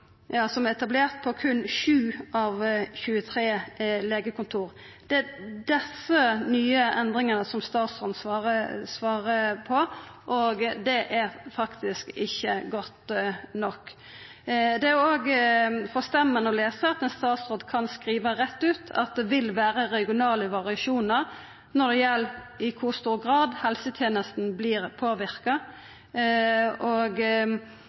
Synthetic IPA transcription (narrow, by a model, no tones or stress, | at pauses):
jɑːsɔmɛɛt̪ɑbleːɾt̪̚pʰɔkʰʉnːɕʉːɑʋçʉːət̪ʰɾeːleːɡəkʊnt̪ʰuːʁ | d̪̥ɛæd̪ɛsənyːəʔɛnd̪ʁɪŋənəsɔmst̪ɑːt̪sʁoːd̪nsʋɑːʁəsʋɑːʁəpʰɔʔoɡd̪ɛʔæɾfɑkt̪ɪskɪçːəɡɔt̪nɔkː | d̪ɛæoːɡfɔst̪ɛmːənəɔleːsəɑt̪̚mɛnst̪ɑːt̪sʁoːd̪kʰɑnskɾiːʋəɾɛt̪ːʉːt̪ʰɑ̰t̪̚d̪ɛʋɪlʋæːɾəɾɛɡɪʊnɑːləʋɑʁɪɑʃuːnəʁ | nɔd̪ɛjɛl | ɪkʰʊʁst̪uːɾɡʁɑːd̪hɛlsət̪ʰjeːnəst̪n̩blɪːɾpʰoːʋɪʁkɑ | oːɡ